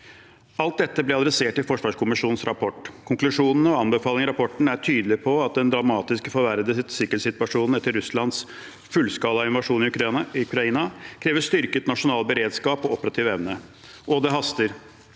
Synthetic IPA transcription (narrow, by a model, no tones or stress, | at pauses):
ɑlt̪̚d̪ɛt̪ːəblɛɑd̪ɾɛseːʈɪlfɔʂʋɑːʂkʰʊmɪʂuːnn̩sɾɑpʰɔʈːkʰʊŋklʉʂuːnn̩ɔɑnbəfɑːlɪŋəɾɑpʰɔʈɳ̩æʈʰyːd̪əlɪpʰɔɑt̪̚d̪ɛnd̪ɾɑmɑːt̪ɪskfɔɾʋæɾəd̪əsɪkːəɛt̪sɪt̪ʋɑʂuːnn̩ɛt̪ːəɾʉslɑnd̪s | fʉlskɑːlɑɪnʋɑʂuːnɪʉkɾʉkɾɑiːnɑkʰɾeːʋəʂt̪ʏɾkət̪nɑʂʊnɑːlbəɾeːd̪skɑːpɔɔpəɾɑt̪ʰiːʋɛʋnə | ʔɔd̪ɛɦɑst̪əɾ